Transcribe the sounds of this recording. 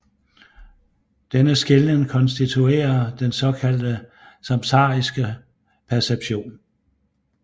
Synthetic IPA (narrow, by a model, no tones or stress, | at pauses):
d̥enəsɡ̥e̝lnəŋkʰɒ̽nsd̥it͡sʰue̝̰ːɐd̥ensɒ̽kʰæld̥ə | sɑ̈mt͡sʰɑ̈ːisɡ̥ə | pʰæɐseb̥ɕo̝̰ːn